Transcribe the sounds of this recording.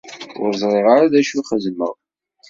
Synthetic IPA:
ʊ̰ɾzˤʁeʁaɾaðæʃuχəzmə̰ʁ

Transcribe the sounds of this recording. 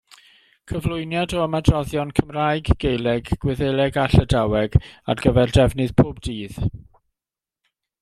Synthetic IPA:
kʰəvlˠʊjnjadɔəmadrɔðjɔnkʰəmrajɡɡ̥ejlˠɛɡɡ̥wɪðejlˠɛɡaɬədawɛɡa̰rɡəvɛrdɛvnɨð̥pʰoːbdiːð̥

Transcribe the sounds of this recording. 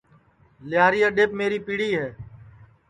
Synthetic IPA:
lɪjaːɾiːaːɗeːpmeːɾiːpiːɽiːɦɛː

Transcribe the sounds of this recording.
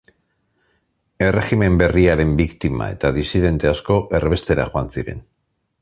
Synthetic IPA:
e̞re̞xime̞mbe̞riaɾe̞mbikt̪ima̰e̞̰t̪aðisiðe̞nt̪e̞asko̞ʔe̞rβ̞e̞st̪e̞ɾa̰xoansiɾe̞̰n

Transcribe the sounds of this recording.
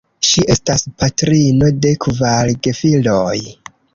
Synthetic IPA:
ʃiʔe̞staspatɾino̞de̞kvalɡe̞filoj

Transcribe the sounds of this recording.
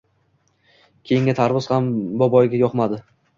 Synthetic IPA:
kʲʰejɪŋɡʲɪt̪ʰaɾvʊzhambɒbɒjɡʲajɒqmad̪ɪ

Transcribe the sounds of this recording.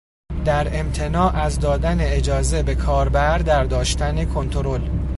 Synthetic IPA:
d̪æɾe̞mt̪ʰe̞nɒːʔæzd̪ɒːd̪æne̞ed͡ʒɒːze̞be̞kʰɒːɾbæɾd̪æɾd̪ɒːʃt̪ænekʰont̪ʰoɾo̞l

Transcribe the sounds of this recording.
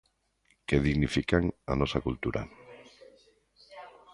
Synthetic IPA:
keðiɣnifikaŋanɔsakult̪uɾʔa̰

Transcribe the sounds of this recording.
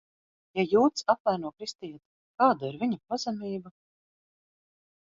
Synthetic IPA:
jajuːt̪saplæːɾnuɔkɾist̪ijt̪ | kaːd̪aiɾviɲapazɛmʲiːba

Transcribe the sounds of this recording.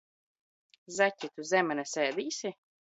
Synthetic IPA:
zæcʲːit̪uzʲɛmɛnɛsʲeːd̪iːsʲi

